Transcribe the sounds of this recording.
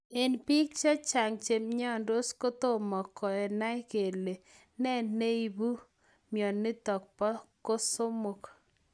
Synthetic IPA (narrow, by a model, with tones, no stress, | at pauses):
e˨npi˦k̚t͡ʃɔ˦t͡ʃa˨ŋt͡ʃe˨mɲɔ˦ndo˦sko˦t̪o˦mɔ˨kɔ˨ɛ˨na˦jke˨le˨ | nɛ˦ne˦i˨bu˦ | mjɔ˨nːɪ˦t̪ɔ˨k̚pɔ˦ko˦so˦mo˨k